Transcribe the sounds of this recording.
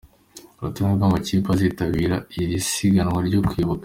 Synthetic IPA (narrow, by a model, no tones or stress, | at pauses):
ɾutuŋekaːmbacipazitaβiːɾaiɾisiɡanwaɾɟokwiβuka